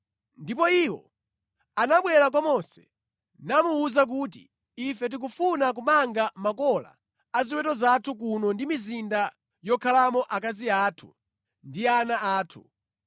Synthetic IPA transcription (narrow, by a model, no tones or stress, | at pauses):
ndipɔiːwɔ̰ | anaɓwɛɾak̬wamɔnsɛ̥̰ | namuːzak̬ut̬ḭ | ifɛt̬ik̬ufunak̬umaŋɡamakɔla̰ː | ziwɛtɔzatʰuk̬unɔndimizinda | jɔkʰalamɔʔak̬aziaːtʰu̥ | ndianaaːtʰṵ